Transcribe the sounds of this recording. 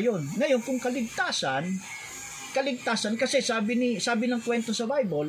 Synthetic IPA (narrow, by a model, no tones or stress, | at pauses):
jo̞nŋɐjo̞nkʊŋkɐlɪɡ̚t̪aːsɐn | kɐlɪɡ̚t̪aːsɐnkɐsɛsaːbɪnisaːbɪnɐŋkwɛnt̪o̞sɐbajbol